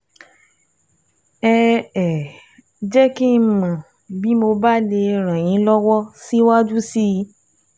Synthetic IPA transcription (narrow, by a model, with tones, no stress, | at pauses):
ɛ˧ɛ˨ | d͡ʒɛ˦ki˦˧mã˨ | bi˦mo˧ba˦le˧ɾ̃ã˨j̃ĩ˨˦lɔ˦wɔ˦si˦wa˦d͡ʒu˦si˦˧˦